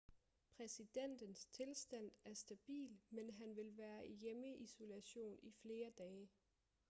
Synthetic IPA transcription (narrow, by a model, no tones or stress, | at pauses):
pʰʁɛsid̥en̰d̥ənst͡sʰe̝lsd̥æn̰æɐsd̥æb̥ḭːlmenɦænʋe̝lʋæːɐʔejeməʔiso̝læɕo̝̰ːnifle̝ːɐd̥ɛː